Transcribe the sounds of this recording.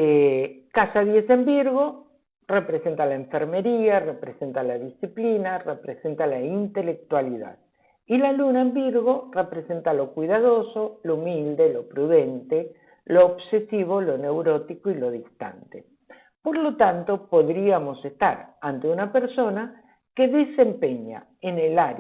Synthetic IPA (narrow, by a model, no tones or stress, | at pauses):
ekasaðje̞sembiɾɣo̞ | repɾese̞nt̪alaeɱfeɾme̞ɾiarepɾese̞nt̪alaðisiplinarepɾese̞nt̪alaint̪e̞lek̚t̪waliða̰ð | ilalunaembiɾɣo̞repɾe̞se̞nt̪alo̞kwiðaðo̞so̞loumild̪e̞lo̞pɾuðe̞nt̪e | loːβsesiβ̞o̞lo̞ne̞wɾo̞t̪ikoilo̞ðist̪a̰nt̪e | poɾlo̞t̪ant̪o̞poðɾiamo̞sest̪a̰ɾant̪eunapeɾso̞na | keðese̞mpeɲa̰ | enelaɾ